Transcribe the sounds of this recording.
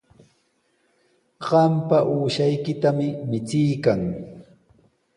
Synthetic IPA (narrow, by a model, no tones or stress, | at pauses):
ɢɑmpaʔuːʃajkɪt̪amɪmɪt͡sɪjkaŋ